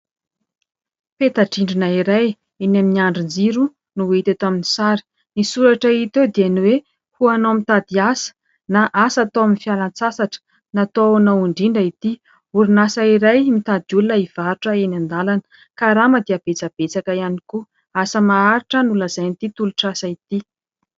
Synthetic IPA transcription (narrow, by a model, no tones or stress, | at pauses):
pet̪aʈ͡ʂiɳɖ͡ʐinaiɾaj | inaminiaɳɖ͡ʐind͡ziɾu | nuet̪et̪aminisaɾi̥ | nisuɾaʈ͡ʂait̪ed̪ianuwe | huanomit̪ad̪iasə̥ | naʔasat̪oaminfialant͡sasaʈ͡ʂə̥ | nat̪onauɳɖ͡ʐiɳɖ͡ʐait̪i | uɾunasaiɾajmit̪ad̪iulunaiv̥aɾuʈ͡ʂəenand̪alanə̥ | kaɾamad̪iab̥et͡sab̥et͡sakaianiko | asəmaaɾiʈ͡ʂənuləz̥ajnit̪it̪uluʈ͡ʂasait̪i